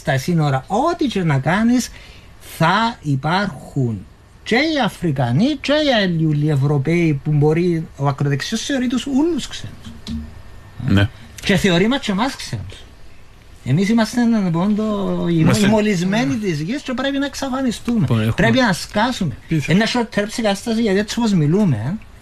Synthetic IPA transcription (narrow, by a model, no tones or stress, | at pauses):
st̪ɐsinoɾɐo̞t̪it͡ʃenɐkɐnis | θɐipɐɾxun | t͡ʃe̞iɐfɾikɐnit͡ʃe̞ialulːievɾo̞peipumbo̞ɾioɐkɾoðeksiosθeo̞ɾit̪usulːusksenus | nt͡ʃe̞θeo̞ɾimɐt͡ʃːemɐsksḛnus | emisimɐst̪ennp̬ond̪oiimolizmenit̪izʝist͡ʃepɾepinɐeksɐfɐnist̪umepɾepinɐskɐsumeenːɐʃot̪ʰːeɾpsikɐst̪ɐs̬iʝɐt̪iet͡sːopozmilumen